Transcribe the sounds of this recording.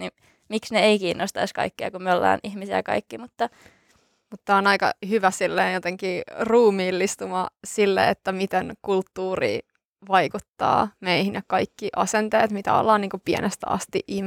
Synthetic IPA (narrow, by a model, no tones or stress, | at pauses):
ni | miksneeikiːnːost̪ɑiskɑ̰ikːeɑ̰kumolːɑ̰ːnihmisijɑkɑ̰ikːimut̪ːɑ | mut̪ːɑonɑikɑ̰hyʋæsilːeːnjot̪eŋkiːruːmiːlːist̪umɑsilːḛet̪ːæmit̪eŋkult̪ːuːrḭː | ʋɑikut̪ːɑ̰ːmeihinekkɑikːiʔɑsent̪eːt̪mit̪æ̰o̰lːɑːniːŋkupiḛnest̪æɑ̰st̪iʔʔim